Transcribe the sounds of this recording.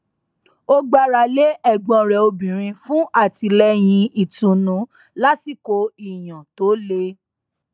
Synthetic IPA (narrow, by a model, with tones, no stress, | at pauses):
o˦ɡ͡ba˧ɾa˨le˦ʔɛ˦˨ɡ͡bɔ̃˧˨ɾɛ˨o˧bĩ˨ɾ̃ĩ˧fũ˦ʔa˦˨ti˧lɛ˦j̃ĩ˧i˦˨tũ˨nũ˨˦ | la˦ti˦˨ko˧˦i˦˨j̃ã˨to˨˦le˦